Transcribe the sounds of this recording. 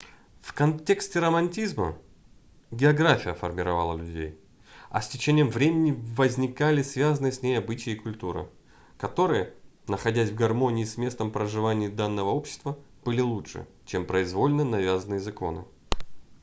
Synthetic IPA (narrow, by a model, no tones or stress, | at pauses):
fkɐntʲe̞ksʲtʲɪɾəmɐnʲtʲizmə̰ | ɡʲɪɐɡɾafʲɪjəfə̰rmʲɪɾɐva̰lˠə̰lʲʉdʲḛj | ɐ̰sʲtʲɪt͡ɕenʲɪjəmvɾʲemʲɪnʲɪvəzʲnʲɪkalʲɪsvʲazənɨjəsʲnʲejɐbɨt͡ɕɪjɪkʊlʲt̪uɾɨ̰ | kɐt̪o̞ɾɨjənəxɐdʲæsʲvɡɐrmo̞nʲɪːsʲmʲe̞st̪əmpɾəʐɨvanʲɪːd̪anːəvəo̞pɕːɪ̥st̪vəb̥ɨlʲɪlˠutʂɨ̰ | t͡ɕempɾəɪzvo̞lʲnənɐvʲazənɨjəzɐko̞̰nɨ̰